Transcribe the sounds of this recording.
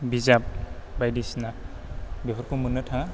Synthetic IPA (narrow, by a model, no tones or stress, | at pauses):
bizap̚bajdisna | biɦɔɾkumɯnɯtʰaŋa